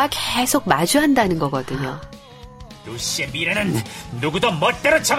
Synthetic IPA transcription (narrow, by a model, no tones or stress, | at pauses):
akesʰok̚mad͡ʑuɦandanɯnɡʌɡʌdɯɲo | toɕiemiɾenɯnːuɡudʌmʌt͈eɾot͡ɕʰʌɡ